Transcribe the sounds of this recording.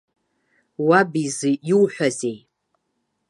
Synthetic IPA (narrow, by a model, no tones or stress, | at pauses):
wabizɨiwħᶣʷazej